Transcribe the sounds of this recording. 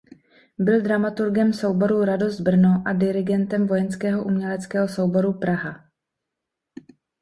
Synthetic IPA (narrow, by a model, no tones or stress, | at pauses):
bɪld̪ɾamat̪uɾɡɛmso̞wbo̞ɾuɾado̞zd̪̚br̩noʔadɪɾɪɡɛnt̪ɛmvo̞jɛnskɛːɦo̞ʔumɲɛlɛt͡skɛːɦo̞so̞wbo̞ɾupɾaɦa